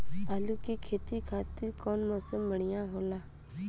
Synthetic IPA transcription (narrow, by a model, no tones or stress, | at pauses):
aːlukikʰeːt̪ikʰaːt̪ɪɾkɔːnmɔːsəmːəɽ̃ɪjãːɦoːlaː